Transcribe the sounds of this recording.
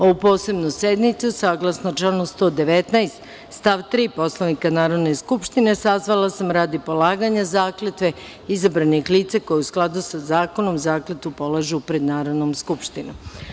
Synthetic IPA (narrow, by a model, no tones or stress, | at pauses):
o̞ʋupo̞ːse̞bnuse̞d̪nit̪susaːɡlˠasnot͡ʃlanost̪o̞ːd̪e̞ʋe̞t̪naest̪ | st̪aʋt̪ɾiːpo̞slˠaʋnikanaːɾo̞d̪neskupʃt̪ine̞sazʋalˠasamɾaːd̪ipo̞lˠaːɡaɲazaːklet̪ʋe̞ | izabɾanixliːt̪sako̞jeusklˠad̪usazaːko̞no̞mzaːklet̪upo̞lˠaʒupɾed̪naːɾo̞d̪nomskupʃt̪ino